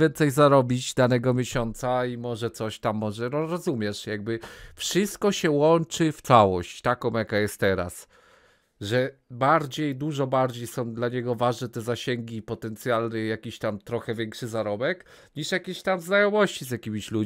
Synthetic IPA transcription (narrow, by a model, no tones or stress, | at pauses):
jɛnt̪sɛjzaɾɔbʲid͡ʑd̪anɛɡɔmʲjeɕɔnt̪saimɔʐɛt̪sɔɕt̪amːɔʐɛnɔɾɔzumʲjɛʂjaɡ̚bɘfʂɘst̪̚kɔɕɛwɔnt͡ʂɘft̪sawɔɕt͡ɕt̪akɔ̃w̃jakajɛst̪ːɛɾa̰s | ʐɛbaɾd͡ʑejd̪uʐɔbaɾd͡ʑejsɔ̃w̃d̪laɲɛɡɔvaʐnɛt̪ɛzaɕeŋɡʲipɔt̪ɛnt̪sʲjalnɘjakʲiɕt̪amt̪ɾɔxɛvʲjɛŋkʂɘzaɾɔbɛk | ɲiʂjakʲeɕt̪amznajɔmɔɕt͡ɕizjakʲimʲiɕlu